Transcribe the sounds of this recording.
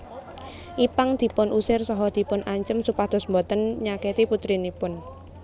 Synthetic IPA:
ʔipaŋd̪̥i̤pʊnʔusɪrsɔɦɔd̪̥i̤pʊnaɲt͡ʃəmsupahd̪̥ɔ̤smbɔt̪ənɲaket̪iput̪ɾinipʊn

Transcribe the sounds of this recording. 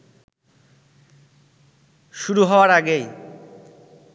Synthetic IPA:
ʃuɾuɦɔoaɾaɡej

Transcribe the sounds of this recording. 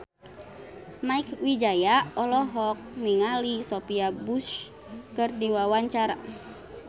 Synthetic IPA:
maikwid͡ʒajaɔlɔɦɔk̚niŋalisopiabus | kərdiwawaɲt͡ʃaɾa

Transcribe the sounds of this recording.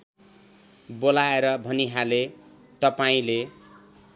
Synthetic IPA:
bolaeɾʌbʱʌniɦale | t̪ʌpaĩle

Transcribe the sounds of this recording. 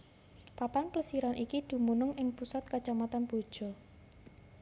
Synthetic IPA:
papanpləsiɾanʔikid̪̥ṳmunʊŋʔɪŋpusat̪̚kḁʒ̥a̤mat̪anb̥od̥ʒ̥ɔ̤

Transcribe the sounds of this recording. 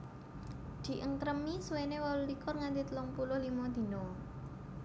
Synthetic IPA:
d̪̥i̤ʔəŋkɾəmiswenewalulikʊrŋand̪it̪əlʊŋpulʊhlimɔd̪̥i̤nɔ

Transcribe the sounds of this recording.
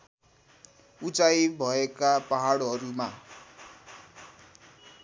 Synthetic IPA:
ut͡sajbʱʌekapaɦaɽɦʌɾuma

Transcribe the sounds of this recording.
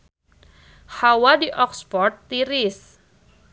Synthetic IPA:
hawadiʔɔkspɔrt̪ːiɾɪs

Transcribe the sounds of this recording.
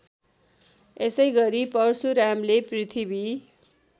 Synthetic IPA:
esʌjɡʌɾipʌrsuɾamleprit̪ʰibi

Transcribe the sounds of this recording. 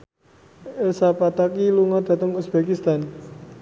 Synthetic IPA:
ʔelsapat̪akiluŋɔd̪̥ä̤t̪əŋusb̥ekist̪an

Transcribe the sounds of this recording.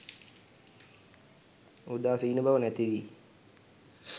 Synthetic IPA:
ud̪aːsiːnəbaʋənæt̪iʋi

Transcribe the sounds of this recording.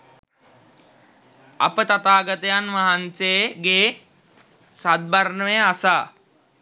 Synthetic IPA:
a̰pət̪at̪aːɡət̪əjanʋaɦanseɡeː | sad̪̚baɾnəʋeasaː

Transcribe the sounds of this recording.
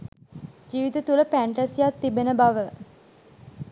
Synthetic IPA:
d͡ʒiːʋit̪ət̪uləpæɳʈasijat̪ːibenəbaʋə

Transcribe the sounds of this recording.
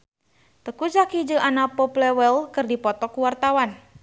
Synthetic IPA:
t̪əkud͡ʒakid͡ʒəʔanapɔplɛwɛlkɨrdipɔt̪ɔkuwart̪awan

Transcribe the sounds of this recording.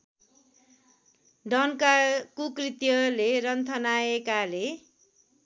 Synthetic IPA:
ɖʌnkakukrit̪jʌlerʌnt̪ʰʌnaekale

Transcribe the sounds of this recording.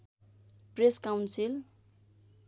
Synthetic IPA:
preskawnsil

